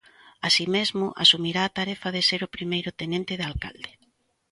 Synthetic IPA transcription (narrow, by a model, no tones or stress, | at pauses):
asimezmʊʔa̰sumiɾaːt̪aɾɛfaðɪseɾʊpɾimejɾʊt̪enẽnt̪ɪðalka̰ld̪e